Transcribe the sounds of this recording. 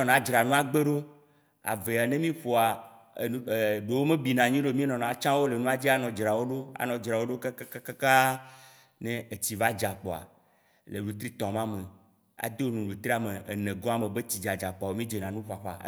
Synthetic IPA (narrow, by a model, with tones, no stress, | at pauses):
ɔ̃˨nã˨˦d͡ʒɾa˨nũ˦a˦ɡ͡be˦ɖo˦ | a̰˨ve˨a˨nẽ˦mĩ˦ɸo˨a˨˦˨ | ɖe˨wo˦mẽ˦bi˨nã˨ɲĩ˦ɖo˦mĩ˦nɔ̃˨nã˨a˨˦t͡ʃã˦wo˦le˨nũ˦a˦d͡ʑi˦a˦nɔ̃˨d͡ʒɾa˨wo˦ɖo˦a̰˨nɔ̃˨d͡ʒɾa˨wo˦ɖo˦ka˦ka˦ka˦ka˦ka˦ | ne˦e˨t͡ɕi˨va˦d͡ʒa˨k͡pɔ˨a̰˨ | le˨lu˨t̪ɾi˦t̪ɔ̃˨mã˦me˨ | a̰˨d̪e˦wo˦nũ˨lu˨t̪ɾi˦a˨me˨e˨nẽ˨ɡɔ̃˦a˦mẽ˨be˦t͡ɕi˨d͡ʒa˨d͡ʒa˨k͡pɔ˨a˨wo˦mĩ˦d͡ʒe˨nã˨nũ˦ɸa˨ɸa̰˨